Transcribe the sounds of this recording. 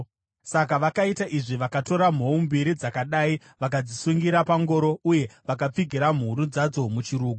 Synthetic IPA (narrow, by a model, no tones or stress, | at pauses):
sakaʋakaitaʔiʐiʋakato̞ɾam̤o̞umbiɾid͡zakaɗaːi | ʋakad͡zisuŋɡiɾapaŋɡo̞ɾo̞uje̞ʋakap͡fiɡʱiɾam̤uɾud͡zad͡zo̞mut͡ʃiɾuːɡu